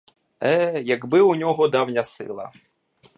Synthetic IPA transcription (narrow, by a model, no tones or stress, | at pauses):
ɛjɐɡbɪunʲɔɦɔd̪ɑwnʲɐsɪ̰lˠɐ̰